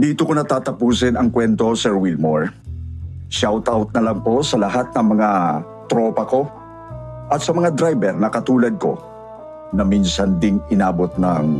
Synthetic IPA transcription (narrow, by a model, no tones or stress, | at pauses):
d̪iːt̪okonɐt̪aːt̪ɐpuːsɪnɐŋkwɛnt̪o̞sɛɹwilmoɹ | ʃawt̪ʔawt̪̚nɐlɐŋpo̞sɐlɐhat̪̚nɐŋmɐŋa | t̪ɾoːpɐko̞ | ʔɐt̪̚sɐmɐŋad̪ɾajbɛɾnɐkɐt̪uːlɐd̪̚ko̞̰ | nɐminsɐnd̪ɪŋɪnaːbo̞t̪̚nɐŋ